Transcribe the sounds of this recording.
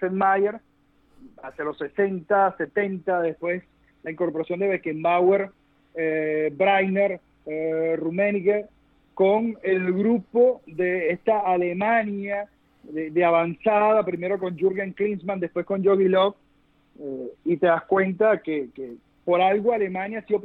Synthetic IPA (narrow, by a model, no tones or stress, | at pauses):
senmajeɾ | asjalo̞sːesent̪ase̞t̪e̞nt̪aðe̞spwe̞s | laiŋko̞ɾpoɾasjo̞nd̪eβekembaweɾ | ebɾajneɾ | rumẽnika | konelɣɾupo̞ðeest̪aːlemãnja | ðeðeaβansaðapɾime̞ɾo̞ko̞nd͡ʒuɾɣjaŋklinsmãnd̪e̞hpwe̞sko̞nd͡ʒoɣilof | eit̪e̞ðaskwe̞nt̪akeke | po̞ɾalɣoale̞mãnjasio